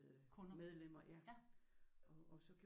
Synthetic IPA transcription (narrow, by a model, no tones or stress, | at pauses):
ðˠʰ | meðˠlem̰ɐjæ | ɒɒ̽sɒ̽kʰ